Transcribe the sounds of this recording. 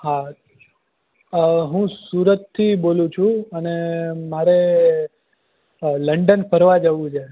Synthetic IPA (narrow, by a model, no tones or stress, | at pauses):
ɦa | ɦũsuɾət̪ʰːibolũt͡ʃʰũənemaɾe | ləɳɖənpəɾʋad͡ʒəʋũt͡ʃʰe